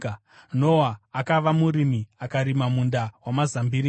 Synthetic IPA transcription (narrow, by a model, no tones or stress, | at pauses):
nowaːkaʋamuɾimiakaɾimamundawamazambiɾi